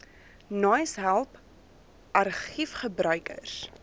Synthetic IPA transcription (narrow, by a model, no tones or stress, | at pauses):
nɑjsɦælˠp | ʔɐrχifχəbɾœɥkə̰rs